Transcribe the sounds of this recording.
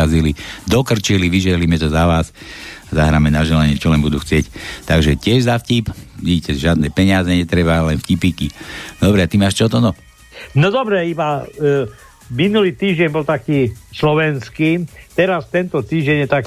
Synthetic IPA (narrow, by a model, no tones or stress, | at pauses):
azilid̪ɔkr̩t͡ʃiliʋiʒɛɦliːmɛt̪ɔzaʋaːsazaɦɾaːmɛnaʒɛlaɲɪɛt͡ʃɔlɛnbud̪uːxt͡sɪɛct̪aɡʒɛcɪɛʒzafcipɲɛcɛʒɪad̪nɛːpɛɲɪazɛɲɛt̪ɾɛbalɛnfcipiːkid̪ɔbɾɛat̪imaːʃt͡ʃɔt̪ɔnɔ | nɔd̪ɔbɾɛiba | minuliːt̪iːʒɟɛnbɔlt̪akiːslɔʋɛnskiːt̪ɛɾast̪ɛnt̪ɔt̪iːʒɟɛɲjɛt̪ak